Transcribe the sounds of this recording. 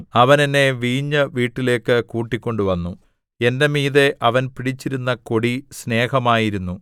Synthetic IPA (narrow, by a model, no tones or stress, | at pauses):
ɐʋɐnenːe̞ʋiːɲːɐʋiːʈːile̞ːkːɨkuːʈːikʲːo̞ɳɖuʋɐnːu | e̞nde̞miːðe̞ʔɐʋɐnpiɽit͡ɕːiɾunːɐko̞ɽisne̞ːhɐmaːjiɾunːu